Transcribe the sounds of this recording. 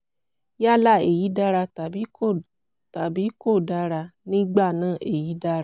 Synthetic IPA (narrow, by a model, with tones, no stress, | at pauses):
ja˦˨la˦˨ḛ˨ji˨˦da˦ɾa˧˨bi˨˦ | ta˨bi˨˦ko˦˨da˧ɾa˧nĩ˦ɡ͡ba˦˨nãː˦˨ʔe˨ji˨˦da˧˦ɾ